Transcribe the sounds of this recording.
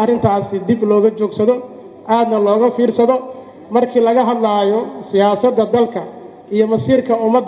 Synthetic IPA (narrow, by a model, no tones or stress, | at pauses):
ɐrɪnt̪ʰaːsɪd̪iblɔːɣɐt͡ʃɔːɡsɐðɔ | ʔaːd̪nɐlɔːɣɐfiːrsɐðɔ | mɐrkʰiːlɐɣɐɦɐd̪lajɔsɪjaːsɐd̪ːɐd̪ɐlkʰɐ | ijɔmɐsiːrkʰɐʊmɐd̪